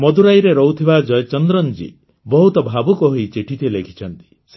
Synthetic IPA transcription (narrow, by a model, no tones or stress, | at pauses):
mɔd̪ʱuɾajɾeɾɔwt̪ʰibad͡ʒɔjɔt͡ʃɔnd̪ɾɔnd͡ʒḭ | bɔɦut̪ɔbʱabukɔɦojt͡ʃiʈʰit̪ʰilekʰi̥t͡ʃʰɔnt̪i̥ | s